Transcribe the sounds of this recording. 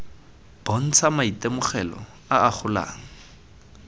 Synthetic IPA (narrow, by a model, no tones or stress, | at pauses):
b̥on̩t͡sʰamaitemʊχɛlɔ̰ | aaχʰʊla̰ːŋ̩